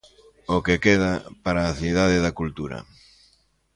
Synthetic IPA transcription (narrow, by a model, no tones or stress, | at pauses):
okekeð̞apaɾaːθiðaðɪðakult̪uɾɐ̰